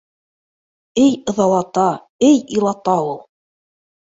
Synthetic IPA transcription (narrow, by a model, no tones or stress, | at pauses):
ɘjɤ̆ðɑw̪ˠɑt̪ɑ | ɘjilˠɑt̪ɑulˠ